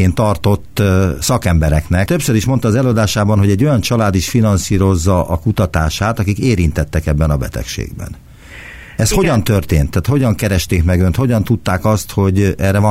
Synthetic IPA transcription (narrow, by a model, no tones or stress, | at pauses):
eːnt̪ɒrt̪o̞t̪ːsɒkɛmbɛɾɛknɛkt̪øpsøɾiʃmont̪ɒːzɛlːɒd̪aːʃaːbɒnɦo̞ɟɛɟːo̞jɒnt͡ʃɒlaːd̪iʃfinɒnsiːɾo̞zːɒʔɒkut̪ɒt̪aːʃaːt̪ɒkikeːɾint̪ɛt̪ːɛkɛbːɛnɒbɛ̰t̪ɛ̰kʃḛːɡ̚bɛ̰n | ɛsho̞ɟɒnt̪ørt̪eːnt̪ːaːt̪ho̞ɟɒŋkɛɾɛʃt̪eːkmɛɡønt̪ho̞ɟɒnt̪ut̪ːaːkɒst̪ho̞ɟɛːrːɛvɒ